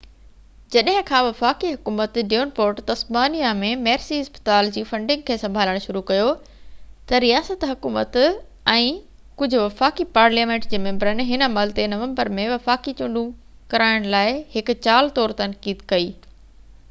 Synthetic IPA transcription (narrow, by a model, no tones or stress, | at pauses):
d͡ʑɐɗɦɪ̃kʰãːʋɐfaːkiɦʊkuːmət̪ɖijoːnpoːɾʈt̪ɐsbaːnijamẽmɛːɾsiɦɐspə̥t̪aːld͡ʑiːfɐ̃ɳɖɪ̃ŋɡ̚kʰeːsɐ̃mbʱaːləɽ̃ʃʊɾukɐjo | t̪ɐɾijaːsət̪ɦʊkuːmət̪ | ɛ̃ː | kʊd͡ʑʱʊ̆ʋɐfaːkipaːɾlijaːmẽːɳʈd͡ʑeːmẽːmbəɾənɪ̆ɦɪnəmɐlt̪enɐʋə̃mbəɾmẽʋɐfaːkit͡ɕʊ̃ɳɖũ | kɐɾaːɪɽ̃laːɪɦɪkʊ̆t͡ɕaːlt̪ɔːɾt̪ɐnkiːd̪kɐiː